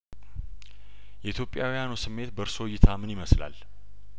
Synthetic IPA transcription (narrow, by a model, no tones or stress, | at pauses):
jɛit̪ʰjo̞pʼːjawijanusɨmːe̞t̪bəɾsojːɪt̪ʰamɨniməsla̰l